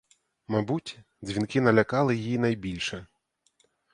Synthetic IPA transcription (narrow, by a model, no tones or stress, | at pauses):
mɐbutʲ | zʲʋʲinkɪnɐlʲɐkɑlˠɪjijinɐjbʲilʲʃɛ